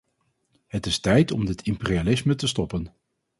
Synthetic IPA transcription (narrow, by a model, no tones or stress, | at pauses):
ɦətɪstɛjtɔmdɪtʰɪmpɪrialɪsmətəstɔpən